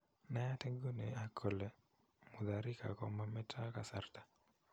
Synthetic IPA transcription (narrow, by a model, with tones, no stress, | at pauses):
na˦a˦tɛ˦ɡo˦ne˨a˨kʰɔ˨lɛ˨ | mu˨d̪a˨ɾɪ˦ka̰˨kɔ˨ma˦mɛ˦tʰa˦ka˨sa˦ɾt̪ḁ˨